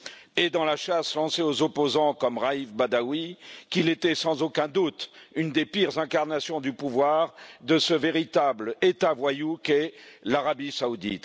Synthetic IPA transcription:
ed̪ɑ̃laʃaslɑ̃seozɔpozɑ̃kɔmʁaifbad̪awikilet̪ɛsɑ̃zokʲɛ̃d̪ut̪ynd̪epiʁzɛ̃kaʁnasjɔ̃d̪ypuvwaʁd̪əsəveʁit̪ablet̪avwajukɛlaʁabisaud̪ḭt̪

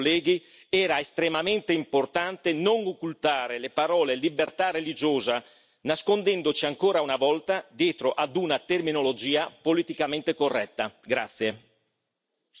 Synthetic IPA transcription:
lːɛːɡi | ɛːɾaest̪ɾemament̪eimport̪ant̪enoŋokːult̪aːɾelepaɾɔːlelibert̪arːelid͡ʒoːza | naskond̪ɛnd̪ot͡ʃiaŋkoːɾaunavɔlt̪ad̪jɛːt̪ɾoʔad̪unat̪erminolod͡ʒiːapolit̪ikament̪ekorːɛt̪ːaɡɾa̰t̪sːje

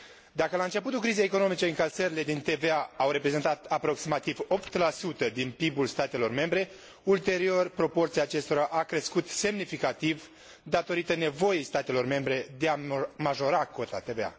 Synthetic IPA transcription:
d̪akəlaɨnt͡ʃe̞put̪ulkɾize̞jːko̞no̞mit͡ʃe̞ɨŋkalsəɾile̞d̪int̪e̞ve̞aawɾe̞pɾe̞ze̞nt̪at̪apɾo̞ksimat̪ivo̞pt̪lasut̪əd̪inpibulst̪at̪e̞lo̞rme̞mbɾe̞ | ult̪e̞ɾio̞rpɾo̞po̞rt̪siaːt͡ʃe̞st̪o̞ɾaʔakɾe̞skut̪se̞mnifikat̪iv | d̪at̪o̞ɾit̪əne̞vo̞jejst̪at̪e̞lo̞rme̞mbɾe̞d̪eamaʒo̞ɾako̞t̪a̰t̪e̞vea̰

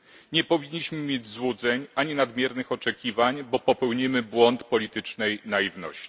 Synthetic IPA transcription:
ɲɛpɔvʲiɲːiɕmɘmʲjed͡ʑzwud̪zɛɲaɲinad̪mʲjɛɾnɘxɔt͡ʂɛkʲivaɲbɔpɔpɛwɲimɘbwɔnt̪pɔlʲit̪ɘt͡ʂnɛjnajivnɔ̰ɕt͡ɕi̥

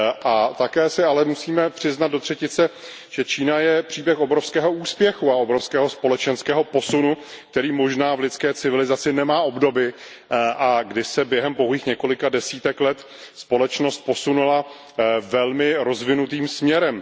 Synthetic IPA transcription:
ʔat̪akɛːsɪalɛmusiːmɛpr̝̥ɪznat̪do̞t̪r̥ɛcɪt͡sɛ | ʒ̥ɛt͡ʃiːnajɛpr̝̥iːbjɛxobɾofskɛːɦo̞uːspjɛxuaobɾofskɛːɦo̞spo̞lɛt͡ʃɛnskɛːɦo̞po̞sunuk̚t̪ɛɾiːmo̞ʒnaːvlɪt̪t͡skɛːt͡sɪvɪlɪzat͡sɪnɛmaːʔo̞bdo̞bɪ | ʔaɡdɪsɛbjɛɦɛmpoɦliːxɲɛko̞lɪkadɛsiːt̪ɛklɛt̪ | spo̞lɛt͡ʃno̞st̪̚po̞sunula | vɛlmɪɾo̞zvɪnut̪iːmsmɲɛɾɛm

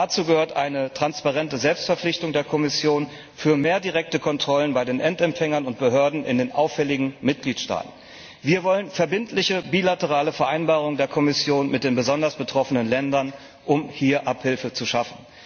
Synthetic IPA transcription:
dat͡suːɡəhøːɐtʔaɪnətʁ̥anspaʁɛntəzɛlpstfɛɐflɪçtʊŋdeːɐkʰɔmɪsjoːn | fyːɐmeːɐdiʁɛk̚təkʰɔntʁ̥ɔlənbaɪdeːnʔɛntɛmfɛŋɐnʊnt̚b̥əɦøːɐdn̩ʔɪ̰ndeːnʔaʊfːɛlɪɡŋ̩mɪt̚ɡ̥liːtʃta̰ːtn̩ | viːɐvɔlənfɛɐbɪntʰlɪçəbiːlatəʁ̞aːləfɛɐʔaɪnbaːʁ̞ʊŋdeːɐkʰɔmɪsjoːnmɪt̚d̥eːnbəzɔndɐsb̥ətʁ̥ɔfənənlɛndɐn | ʔʊmhiːɐʔaphɪlfət͡suʃafn̩

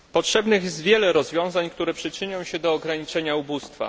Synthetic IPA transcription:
pɔtʂɛbnɘxjɛst̪vʲjɛlɛɾɔzvʲjɔ̃w̃zaɲkt̪uɾɛpʂɘt͡ʂɘɲɔ̃w̃ɕɛd̪ɔːɡɾaɲit͡ʂɛɲaubust̪fa̰

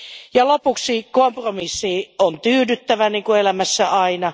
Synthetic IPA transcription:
jɑlopuksikompromisːiont̪yːdyt̪ːæʋæniːŋkuelæmæsːæʔɑinɑ

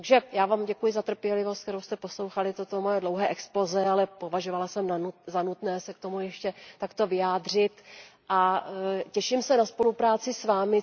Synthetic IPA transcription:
t̪aɡʒɛjaːvaːmɟɛkujɪzat̪r̩pjɛlɪvost̪k̚t̪ɛɾowst̪ɛpo̞slo̞wxalɪt̪ot̪omojɛdlo̞wɦɛːʔɛksplo̞zɛalɛpo̞vaʒovalasɛmanuzanut̪nɛːsɛk̚t̪o̞mujɛʃcɛt̪akt̪o̞vɪjaːd̪r̝ɪt̪ʔacɛʃɪmsɛnaspo̞lupɾaːt͡sɪsvaːmɪ

